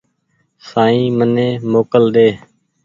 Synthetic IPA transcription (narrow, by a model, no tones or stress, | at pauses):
saːĩːmənẽːmoːkəlɗ̪eː